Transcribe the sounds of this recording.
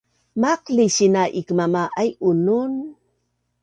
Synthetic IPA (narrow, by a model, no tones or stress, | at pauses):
maqliɕinaʔikəmamaʔajʔunun